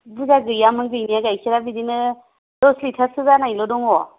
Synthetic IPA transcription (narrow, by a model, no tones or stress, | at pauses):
bɯzaɡɯjamɯŋɡɯjnijaɡajkʰiɾabidinɯ | dɔslitʰasɯɡanajlɔdɔŋɔ